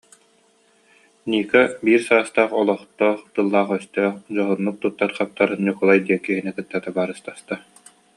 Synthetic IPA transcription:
niːkabiːɾsaːst̪aːχɔlˠɔχt̪ɔːχt̪ɯlˠːaːχœst̪œːχd͡ʑɔɦunːuk̚t̪ut̪ːaɾχap̚t̪aɾɲukulˠajd̪iɛkiɦinɛkɯt̪ːat̪abaːɾɯst̪ast̪a

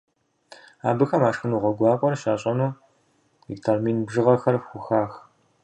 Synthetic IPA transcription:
a̰ːbɨxɐmaːʂxɨnuːʁʷɔɡʷɑːqʷʼɔrʃaːɕʼɐnuː | iktʰarmiːnbʒɨʁɐxɐrxʷʊxaːx

